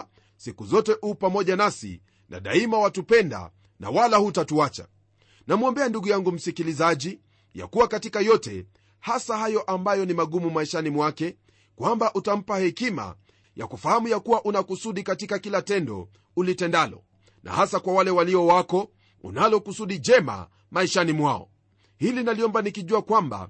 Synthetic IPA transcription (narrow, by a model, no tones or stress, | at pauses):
sikuzɔtɛʔuːpamɔʄanasḭ | nʔa̰ɗa̰imawatupɛnda̰ | na̰walahutatuat͡ʃa̰ | namuɔmbɛanduɡujaŋɡum̩sikilizaʄi | ja̰kuwakatikajɔtɛ̰ | hasahajɔʔambajɔnimaɠumumaiʃanimwakɛ | kwambaʔutam̩pahɛkima̰ | ja̰kufahamujakuwaʔunakusuɗikatikakilatɛndɔ̰ | ulitɛndalɔ̰ | na̰hasakwawalɛwaliɔwakɔ | ṵnalɔkusuɗid͡ʒɛma̰ | maiʃanimwaɔ̰ | hilinaliɔmbanikiʄuakwamba̰